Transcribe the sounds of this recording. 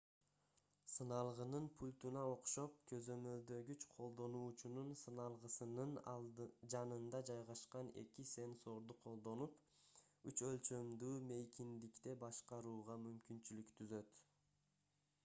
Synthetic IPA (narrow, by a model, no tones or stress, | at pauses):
sɯnɑlˠʁɯnɯnpʰulʲt̪unɑo̞qʃo̞p̚kʰø̞zø̞mø̞ld̪ø̞ɡyt͡ʃqʰo̞lˠd̪o̞nuːt͡ʃununsɯnɑlˠʁɯsɯnɯnd͡ʒɑnɯnd̪ɑd͡ʒɑjʁɑʃqɑne̞̰kise̞nso̞ɾd̪uqʰo̞lˠd̪o̞nup | yt͡ʃø̞lt͡ʃø̞md̪yːme̞jkʲind̪ikt̪e̞bɑʃqɑɾuːʁɑmymkynt͡ʃylykt̪ʰyzø̞t̪